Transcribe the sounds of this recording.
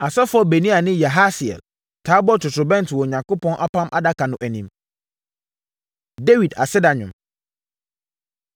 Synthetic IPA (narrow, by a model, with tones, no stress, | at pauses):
a˨sɛ˦fʊ˦ɔ˦be˨nĩ˦a˨nɪ̃˦ja˨ɦa˦sɪ˨ɛ̰˨l | tʰaː˦bɔ˦tʰʊ˨sɾʊ˨bɛ̃˦ntʰɪ˨wɔ˨ɲã˨ŋko˦pʰɔ̃˦nʔa˦pʰã˦mʔa̰˦da˦kʰa˨nʊ̃˨ʔæ˨nĩ˨m | de˦wi˨da̰˨sɪ˦da˨ɲʊ̃˨m